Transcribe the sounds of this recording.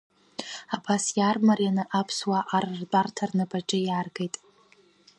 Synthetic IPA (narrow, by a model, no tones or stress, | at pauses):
abasjarmarjanɨʔapʰswaʔarrdʷʼartʰarnɨbaʈ͡ʂʼɨjarɡejtʼ